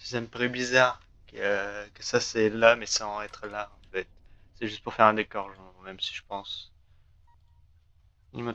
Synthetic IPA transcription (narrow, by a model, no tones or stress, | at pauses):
si̥saməpaʁybizaʁ | kəkəsasɛlamɛsɑ̃ɛt̪χəlaɑ̃fɛt̪̚sɛʒyst̪̚puʁfɛʁɛ̃d̪ekɔʁʒɑ̃mɛmsi̥ʒəpɑ̃s | im